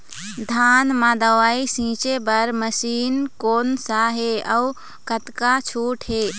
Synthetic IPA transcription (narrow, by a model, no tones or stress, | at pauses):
d̪ʱaːnmãd̪əʋaːisĩːt͡ʃebəɾməsiːnkoːnsaɦeəu | kət̪kat͡ʃʰuːʈɦeː